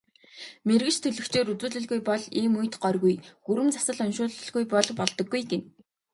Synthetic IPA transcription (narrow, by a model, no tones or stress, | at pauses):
merɣɘ̆t͡ɕt̪ʰɵɮɵ̆xt͡ɕeːɾut͡suːɮɘ̆ɮɣujpɔɮiːmujt̪ɢɔrɣujxuɾɘ̆mt͡sḁsə̆ɮɔnʃʊːɮ̆ɮɣujpɔɮpɔɮt̪ɞ̆ɡːujɡen